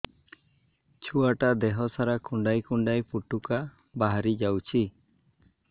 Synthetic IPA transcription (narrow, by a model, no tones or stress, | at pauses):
t͡ʃʰuaʈad̪ɛɦɔsaɾakuɳɖajkuɳɖajpuʈuka | baɦaɾid͡ʒawt͡ʃʰi